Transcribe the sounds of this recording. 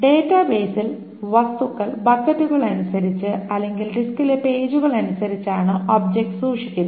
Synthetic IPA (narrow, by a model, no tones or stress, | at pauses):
ɖe̞ːtːɐbe̞ːsil | ʋɐst̪ukːɐɭbɐkːɐtːuɣɐɭɐnusɐɾit͡ɕːɨɐlːe̞ŋɡilɖiskile̞pe̞ːd͡ʑuɣɐɭɐnusɐɾit͡ɕːaːɳɨʔoːb̚d͡ʑek̚ʈsuːʂikʲːunːɐ